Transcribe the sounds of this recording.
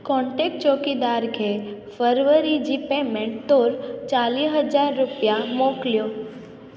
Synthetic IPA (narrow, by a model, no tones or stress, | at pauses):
kɔ̃ɳʈek̚ʈt͡ʃoːkid̪aːɾkʰefəɾʋəɾid͡ʒipemẽɳʈ̚t̪oːɾt͡ʃaːliɦəd͡ʒaːɾːʊpijamoːklijoː